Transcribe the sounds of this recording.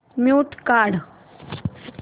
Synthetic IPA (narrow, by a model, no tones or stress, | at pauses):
mjut̪kaːɽ